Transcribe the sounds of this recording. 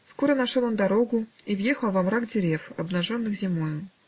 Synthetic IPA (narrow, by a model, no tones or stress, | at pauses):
skoɾənɐʂolˠond̪ɐɾo̞ɡʊivjexəlˠvɐmɾaɡdʲɪɾʲefɐbnɐʐonːɨxzʲɪmojʊ